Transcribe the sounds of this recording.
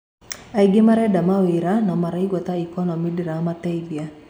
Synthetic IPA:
aiɡɪmaɾɛdamawiɾanɔmaɾaiɡwɔt̪aikɔnɔmidiɾamatɛibia

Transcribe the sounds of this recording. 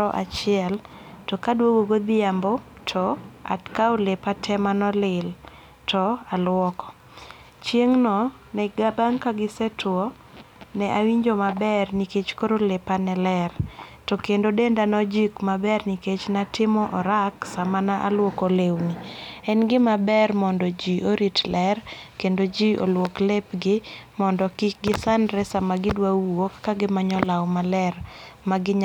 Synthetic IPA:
ɔʔa̰t͡ʃɪɛl | tɔkadwoɡoɡod̪ɪambo | tʰɔa̰tkaolepatʰɛmanɔlɪl | tʰɔalwɔkɔ̥ | t͡ʃjeŋnɔ | nɛɡabaŋkaɡɪsɛtwɔ | nɛʔawiɲd͡ʒomabɛrniket͡ʃkoɾolepanɛlɛrtɔkendodendanɔd͡ʒikmabɛrniket͡ʃnatɪmɔʔɔɾaksamanaʔa̰lwokolewniɛnɡɪmabɛrmɔndɔd͡ʒiʔoɾitlɛrkendod͡ʒiʔo̰lwoklepɡɪmɔndɔkɪɡɪsandɾɛsamaɡɪdwaokːaɡɪmaɲɔlawmalɛrmaɡɪɲ

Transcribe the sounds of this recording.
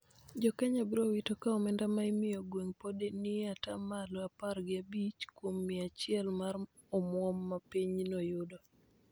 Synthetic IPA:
d͡ʒɔkɛɲabɪɾowitokaɔmɛndamaimɪɔɡweŋpodenɪatamalɔaparɡɪabit͡ʃkwomːiat͡ʃɪɛlmar | ɔmwɔmːapiɲnɔjʊdɔ

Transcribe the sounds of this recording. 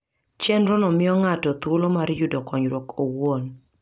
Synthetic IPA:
t͡ʃɛnɾɔnɔmɪɔŋatɔt̪wolomaɾjudɔkɔɲɾwokowon

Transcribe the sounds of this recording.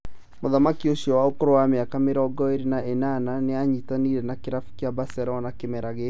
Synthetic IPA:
moðamakioʃiɔwaokoɾowameakameɾɔɡɔeɾinaʔenananeaɲitaniɾɛnakeɾafu̥keabasɛɾɔnakemɛɾaɣe

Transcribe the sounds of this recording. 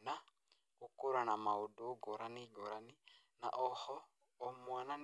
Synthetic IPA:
na | okoɾwanamaodoːɡoɾaniɡoɾani | na̰ʔɔhɔː | mwanan

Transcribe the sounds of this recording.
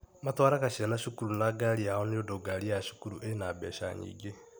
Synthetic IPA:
matwaɾakaʃianaʃukuɾunaɡaliahoniodoɡaliaʃu̥kuɾuʔenabɛːʃa̰ɲḭːɡe

